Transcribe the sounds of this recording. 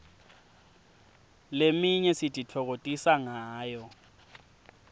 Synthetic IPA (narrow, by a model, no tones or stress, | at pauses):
lemiɲɛsitʼitʰɔɣ̬otʼisaŋaːjɔ